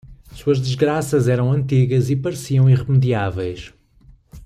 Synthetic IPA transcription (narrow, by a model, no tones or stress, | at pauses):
suɐʒðɨʒɣɾasɐzɛɾɐ̃w̃ɐ̃nt̪iɣɐzipɐɾsiɐ̃w̃ĩʁɨmɨðiavɛjʃ